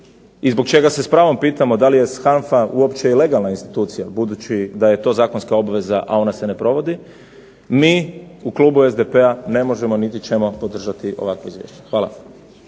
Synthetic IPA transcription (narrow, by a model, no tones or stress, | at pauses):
izbokt͡ʃe̞ɡase̞spɾaːʋo̞mpiːt̪amo̞d̪alije̞sxanfauo̞pt͡ʃeileɡalˠnainst̪i̥t̪uːt̪sijabud̪ut͡ɕid̪aje̞t̪o̞zaːkonskao̞baʋe̞zaʔa̰o̞nase̞nepɾo̞ʋo̞d̪i | miːuklˠuːbuezd̪epeane̞mo̞ʒemo̞nit̪it͡ʃe̞mo̞po̞d̪r̩ʒat̪iʔo̰akʋoizʋjḛʃt͡ɕe̥xʋaːla̰